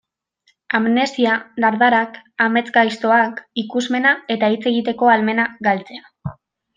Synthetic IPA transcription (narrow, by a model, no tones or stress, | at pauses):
amne̞st̪iad̪aɾðaɾakame̞t͡sɡajst̪o̞akikuzme̞nae̞t̪ait͡se̞ɣ̞it̪e̞ko̞alme̞naɡalt͡se̞a